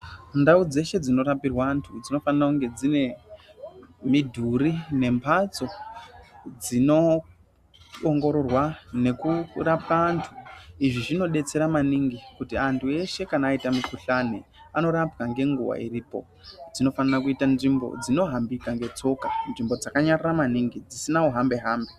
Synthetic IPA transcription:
ndaud͡ze̞ʃe̞d͡zino̞rapirwaːntʰud͡zino̞fanarakuŋɡe̞d͡zine̞ | midʱuɾine̞mpʰat͡so̞ | d͡zino̞ | ŋɡo̞ɾo̞rwane̞kurapaːntʰuiʐiʐino̞ɗe̞t͡se̞ɾamaniŋɡikutiantʰue̞ʃe̞kanaːitamikuɬane | ano̞ɾapkaŋɡe̞ŋɡuwa̰iriːpo̞̰ | d͡zino̞fanarakuitanʐimbo̰d͡zino̞ɦambikaŋɡe̞t͡so̞kanʐimbo̞d͡zakaɲariramaniŋɡid͡zisinauɦambe̞ɦaːmbe

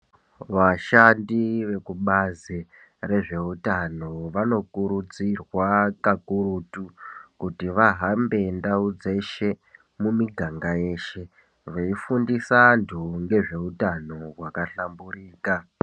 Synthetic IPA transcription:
ʋaʃandiʋe̞kuɓazi | re̞ʐe̞utano̞ʋano̞kuɾud͡zirwakakuɾuːtukutiʋaɦambe̞ndaud͡ze̞ʃe̞ | mumiɡʱaŋɡaje̞ːʃe̞ | ʋeifundisantʰuŋɡe̞ʐe̞utano̞ɦwakaɬambuɾiːka

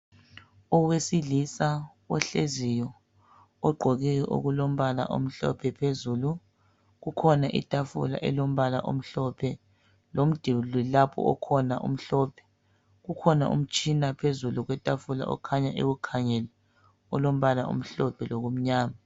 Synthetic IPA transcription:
ɔwesilisa | ɔɬezijɔ | ɔɡ͡ǃʱoɣijɛʔo̰ɣulom̩βala̰ʔo̰m̩ɬɔ̰pʰɛpʰezuːlu | ɣukʰɔnaʔḭtʼafṵla̰ʔɛlom̩βala̰ʔom̩ɬɔpʰɛ | lom̩d̥ʱililapʰɔ̰ɔkʰɔnaʔṵm̩ɬɔːpʰɛ̥ | ɣukʰɔna̰ʔṵm̩t͡ʃʼinapʰezuluɣwɛtʼafula̰ʔɔ̰kʰaɲaʔḛɣukʰaŋɛlɛ | ɔlom̩βalaʔṵm̩ɬɔpʰɛloɣom̩ɲaːma

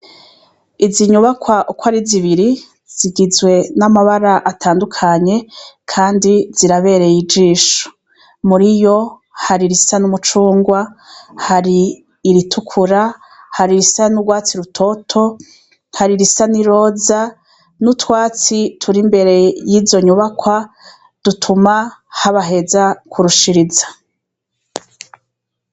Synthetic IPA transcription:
iziɲuβakwaʔukaɾiziβiɾi | z̥iɡizwe̞namaβaɾaʔatʰaːndukʰaɲe̞kʰaːndiz̥iɾaβe̞ɾe̞jid͡ʒiːʃo̥ | muɾijo̞ | haɾiɾisanumut͡ʃuːŋɡwahaɾiː | ɾitʰukʰuɾa | haɾiɾisanuɡwaːt͡siɾutʰo̞tʰo̞ | haɾiɾisaniɾo̞ːza | nutwaːt͡sitʰuɾimbe̞ɾe̞jizjo̞ɲuβakwa | d̥utʰumahaβaɦe̞zakʰuɾuʃiɾizḁ

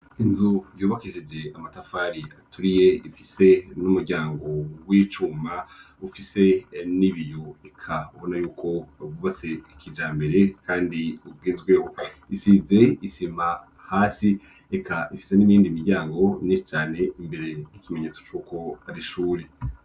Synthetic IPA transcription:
inzujuːβakiʒed͡ʒe̞amatafaːɾiatuɾije̞ifise̞numuɾɟaːŋɡo̞wiːt͡ʃuːma | ufise̞niβijuekʰaβo̞najuːkʰo̞βuβat͡se̞ikʰid͡ʒaːmbe̞ɾe̞kaːndiubɡiːzɡwe̞ho̞isize̞isima | haːsi | ekʰaʔifi̥se̞niβiːndimiɾɟaːŋɡo̞niʃt͡ʃaːne̞imbe̞ɾe̞jikime̞ɲe̞ːt͡so̞t͡ʃuːko̞aɾiʃuːɾe

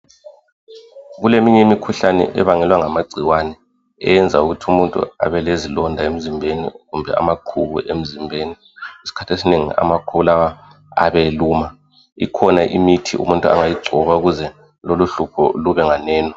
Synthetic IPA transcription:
ɣulemiɲɛimikʰuɬanɛ̰ʔɛ̰βaŋɛlwaŋamaɡ͡ǀʱiwanɛ | ɛ̰jɛnd͡zʱauɣutʰumuntʼṵa̰βɛlezilɔndʱaem̩zimbʱenḭɣumbʱɛ̰a̰makʰuβṵʔem̩zimbʱeːni | isi̥kʰḁtʰesineŋḭa̰makʰuβulawa | a̰βeluːma | ḭkʰɔnaʔḭmitʰḭṵmuntʼua̰ŋajiɡ͡ǀʱɔβauɣuzɛ | loluɬupʰɔ̰luβɛŋanɛːnɔ

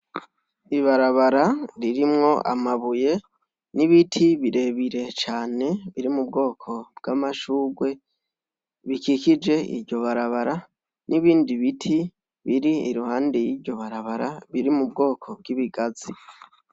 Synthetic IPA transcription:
iβaɾaβaɾaɾiɾimŋo̞ʔa̰maβuje̞ | niβitʰiβiɾe̞βiɾe̞t͡ʃaːne̞βiɾimub̚ɡo̞ːkʰo̞b̥ɡ̥amaʃuːɡwe̞ | βikikid͡ʒe̞ḭɾɟo̞βaɾaβaɾa | niβiːndiβitʰi | βiɾiːɾuhaːndejiɾɟo̞βaɾaβaɾaβiɾimubɡo̞ːkʰo̞b̚ɡiβiɡaz̥i

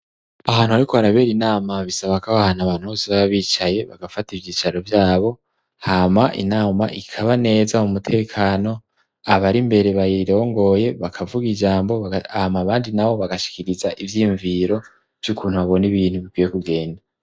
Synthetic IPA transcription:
aɦaːn̥uaɾiko̞haɾaβe̞ːɾinaːmaβisaβakaβahanaβaːn̥huho̞ːseβaβaβiːt͡ʃaje̞βaɡafativjiːt͡ʃaɾovjaːβo̞ | hamaʔḭnaːma̰ʔikʰaβane̞ːzamumutʰe̞ːkʰaːno̞ | aβaɾimbe̞ɾe̞βajiɾo̞ːŋɡo̞je̞βakʰavuɡid͡ʒaːmbo̞ahmaβaːndinaβo̞βaɡaʃi̥kiɾizaʔivjiuɱviɾo̞ | v̥jukʰuːn̥huaβo̞niβiːn̥huβikwijekuɡe̞ːnda

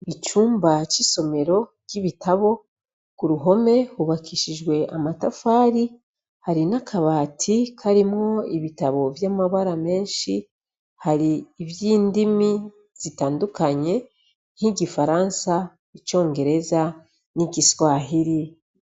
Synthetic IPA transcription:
it͡ʃuːmbat͡ʃiso̞me̞ɾo̞ɟ̥iβitʰaβo̞ | kuɾuɦo̞me̞huβakʰiʃiʒɡwe̞amatafaːɾi | haɾinakʰaβaːtʰikʰaɾimŋo̞iβitaβo̞vjamaβaɾame̞ːnʃi | haɾiːvjiːndimi | z̥itaːndukaɲe̞ | n̥hiɟifaɾansa | it͡ʃo̞ːŋɡe̞ɾe̞za | niɟiswaːɦiɾi

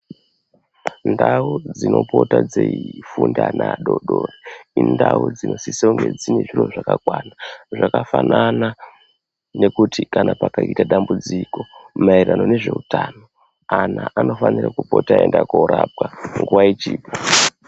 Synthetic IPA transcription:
ndaud͡zino̞po̞tad͡zeifundanaɗoɗoːreindaud͡zino̞sisauŋɡed͡zineʐiroʐakakwanaʐakafanʔana | ne̞kutʰikanapakaitaɗambud͡ziko̞mairano̞ne̞ʐe̞utaːno̞ | anaʔano̞fanirakupo̞taendakoɾap̚kaŋɡuwait͡ʃiːpo

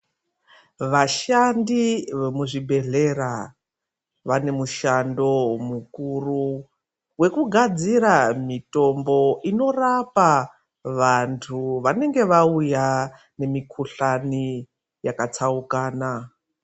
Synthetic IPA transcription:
ʋaʃandiʋemuʐibʱe̞ɮe̞ra | ʋane̞muʃando̞mukuru | we̞kuɡʱad͡ziɾamito̞mbo̞ino̞rapa | ʋantʰuʋane̞ŋɡe̞ʋauja | ne̞mikʰuɬani | jakat͡saukaːna

